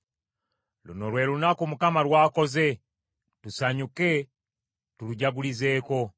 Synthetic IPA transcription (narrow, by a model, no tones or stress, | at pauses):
lṵnolwe̞ːɾunakomukamaɾwaːko̞ze̞ | tusaɲuke̞ | tuluɟaɡulize̞ːko̞